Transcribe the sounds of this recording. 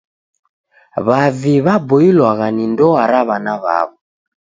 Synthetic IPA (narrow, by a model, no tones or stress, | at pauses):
βaviβabɔilwaɣanindɔaɾaβanaβa̰βɔ